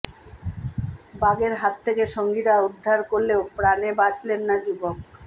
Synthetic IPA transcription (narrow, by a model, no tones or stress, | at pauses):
baɡeɾɦat̪ʰːekeʃoŋɡiɾaud̪ʱːaɾkoɾleopɾanebat͡ɕlenːad͡ʑubok̚